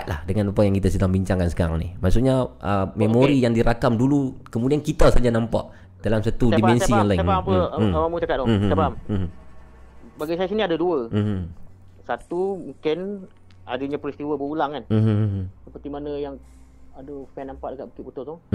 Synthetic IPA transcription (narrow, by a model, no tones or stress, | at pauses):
at̪̚lahdəŋãnupaʔjaŋkit̪asədaŋbiɲt͡ʃaŋkansə̥kaɾaŋnḭhmaʔsuʔɲaʔəmemoɾijaŋdiɾakamdulukəmudiankit̪əsad͡ʒanampa̰ʔ | dalamsat̪udimɛnssiɔnlaɪŋbapamut͡ʃakat̪̚dɔabam̩ | baɡajsajasiniadəduəm̩m̩ | sat̪umuŋkɪn | adəɲapɾist̪iwəbəulaŋkanm̩ɦsəpət̪imanəjaŋ | adəfɛnːampaʔdəkat̪ʔ̚bəkɪtput̪ot̪ɔ